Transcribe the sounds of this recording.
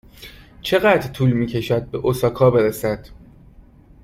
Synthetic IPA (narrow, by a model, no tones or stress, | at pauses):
t͡ʃʰe̞ɣæd̪ɾt̪ʰuːlmiːcʰe̞ʃæd̪̚be̞ʔosɒːkʰɒːbe̞ɾesæd̪̥